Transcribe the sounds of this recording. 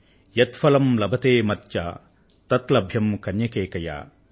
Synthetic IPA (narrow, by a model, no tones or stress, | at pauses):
jɐt̪fɐlɐmlɐbʱɐt̪eːmɐt̪t͡ʃa̰ː | t̪ɐt̪lɐbʱjɐmkɐnjɐkeːkɐja̰ː